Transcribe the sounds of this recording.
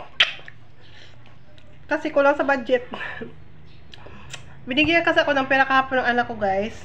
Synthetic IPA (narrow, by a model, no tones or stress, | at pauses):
kɐsɛkʊlaŋsɐbad͡ʒɛt̪̚ | bɪnɪɡajɐkɐsɐko̞nɐŋpɛːɾɐkɐhaːponːɐŋʔɐnakːoɡajs